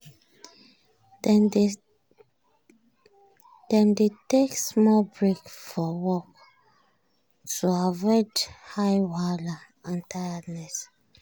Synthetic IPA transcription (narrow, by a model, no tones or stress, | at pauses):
d̥ɛ̃mdeteksmɔbɹekfɔwɔk | tuavɔɪd͡ʒhajwala | ãntʰajadnɛs